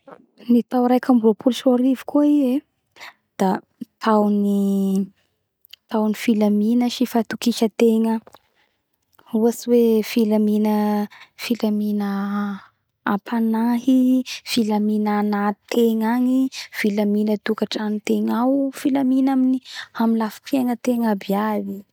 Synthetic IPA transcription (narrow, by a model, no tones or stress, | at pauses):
nit̪awɾajkambulopʰulsaɾivikuie | d̪̥a | t̪ʰawni | t̪awnifilaminəʃifat̪ukiʃət̪eŋə | uasiwefilaminəfilaminə | pʰanaɦifilaminanat̪ʰeŋaɲifilaminət̪ukaʈ͡ʂanit̪eŋawfilaminaminiamilafi̥peŋət̪eŋabiabi